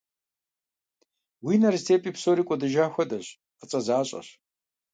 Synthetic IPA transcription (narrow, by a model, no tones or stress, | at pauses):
wiːnɐrztʰeːpʼiːpsoːɾiːkʷʼɔdɨʒaːxʷɐdɐɕ | ət͡sʼɐzaːɕʼɐ̰ɕ